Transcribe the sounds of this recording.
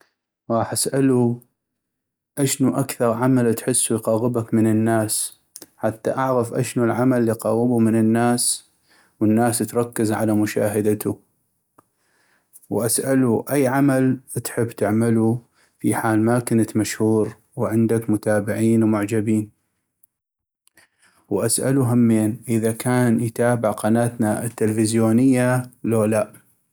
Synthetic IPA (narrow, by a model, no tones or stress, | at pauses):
ɾˤɑːħʔasʔalu | ʔaʃnuʔakθɑɾˤʕamalt̪ħɪsːujqɑːɣɪbakmɪnɪnːaːs | ħat̪ːa̰ʔaʕɣafʔaʃnulʕamalːiqɑːɣɪbumɪnɪnːaːs | wənːaːst̪ɾˤɑkːɪzʕa̰lamʊʃa̰ːɦad̪at̪u | wʔasʔaluʔajːʕamalt̪ħɪbːt̪ɪʕmalu | fiħaːlmakɪnat̪maʃhuːɾ | wʕɪnd̪akmʊt̪aːbɪʕiːnwmʊʕd͡ʒabiːn | wʔasʔa̰luɦamːeːnʔɪðakaːnjt̪aːbɪʕqɑnaːt̪naɪt̪ːɪlfɪzjoːnɪjːaloːlaʔ